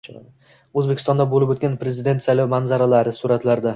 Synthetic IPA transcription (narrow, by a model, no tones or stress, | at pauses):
ɵzbekʲɪ̥st̪ɒnd̪abolɪpot̪̚ɡʲanpɾe̞zɪd̪e̞nt̪sajlɒwmanzaɾalaɾɪsʊɾat̪laɾd̪a